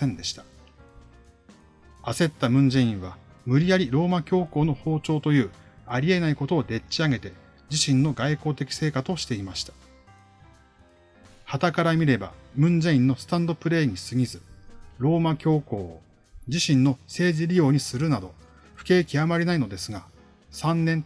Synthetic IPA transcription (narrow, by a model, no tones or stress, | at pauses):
ẽ̞nd̪e̞ɕi̥t̪ḁ | ase̞t̪ːamɯ̟̃ɲd͡ʑẽĩɰ̃β̞a | mɯ̟ɾʲijaɾʲiɾo̞ːmakʲo̞ːko̞ːno̞ho̞ːt͡ɕo̞ːt̪o̞jɯ̟ːaɾʲie̞naiko̞t̪o̞ːd̪e̞tt͡ɕːiaɡe̞t̪e̞ | d͡ʑiɕĩnːo̞ɡaiko̞ːt̪e̞kʲi̥se̞ːkat͡sɨoɕi̥t̪e̞imaɕi̥t̪ḁ | hat̪akaɾamʲiɾe̞ba̰mɯ̟̃ɲ̟d͡ʑẽĩnːo̞sɨ̥t̪ãnd̪o̞pɯ̟ɾe̞ːɲ̟isɨɡʲizɨɾo̞ːmakʲo̞ːko̞ː | d͡ʑiɕĩnːo̞se̞ːʑiɾʲijo̞ːɲ̟isɨɾɯ̟nad̪o̞ | ɸɯ̥ke̞ːkʲiamaɾʲinaino̞d̪e̞sɨɡa | sãnːẽ̞n